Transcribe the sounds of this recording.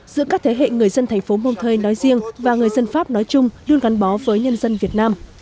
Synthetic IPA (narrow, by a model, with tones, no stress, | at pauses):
z̥ɨ̰˧˥əkaː˦˥k̚t̪ʰe˨˦ɦḛ˧˨ŋɨ˨˩əjzə˧nt̪ʰɛ˨˩jŋ̟fo˨˦mo˧wŋ͡mt̪ʰəː˧jnɔ˨˦jzḭ˧əŋvaː˨˩ŋɨ˨˩əjzə˧nfaː˦˥p̚nɔ˨˦jt͡ɕʊ˧ŋ͡mlu˧ənɣa˨˦ŋɓɔ˨˦vəː˨˦jɲə˧nzə˧nvi˨˩ət̚naː˧m